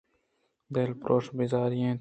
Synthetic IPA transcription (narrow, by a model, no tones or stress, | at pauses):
b̪eːlpɾoːʂbizaːɾijẽː